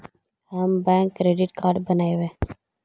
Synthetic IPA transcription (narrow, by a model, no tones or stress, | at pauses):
ɦəmbɛ̃ːŋkːɾeːɖɪʈkaːɾɖbənaːeʋẽː